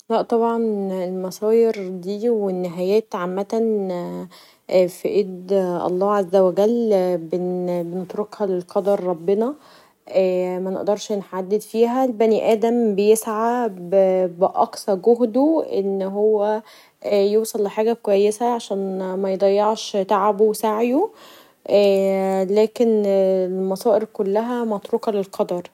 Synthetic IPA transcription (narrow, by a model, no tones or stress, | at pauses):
læʔt̪ˤɑbʕɑnelmɑsˤɑːjeɾd̪iːwenːeɦæjæːt̪ʕamːæt̪æn | fiʔeːd̪ʔɑ̰lˤːɑːʕazːæwæɡælbenbenet̪ɾokhɑlelqɑd̪ɑɾˤːɑbːenɑ | ʔæːmæneʔd̪ɑɾˤʃnħad̪ːed̪fiːɦælbæniʔæːd̪æmbejesʕabbeʔɑ̰ksɑɾˤɡoɦd̪oʔḛnːɦowːæ | joːsˤɑlːeħaːɡæb̚kowæjːesæʕaʃæːnmæjd̪ˤɑjːɑʕʃt̪aʕabowesaʕjo | ʔælæːkenlmɑsˤɑːʔeɾkolːæɦæmæt̪ɾokɑlelqʰɑd̪ɑɾˤ